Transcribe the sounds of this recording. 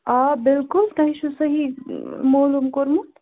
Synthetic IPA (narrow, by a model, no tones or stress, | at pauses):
abɪlkult̪ɐɦiʃusəɦimoːlumkoɾmu